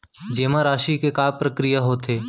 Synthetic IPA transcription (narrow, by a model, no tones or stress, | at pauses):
d͡ʒeːmãɾaːʃikekaːpɾəkɾijaɦoːt̪ʰeː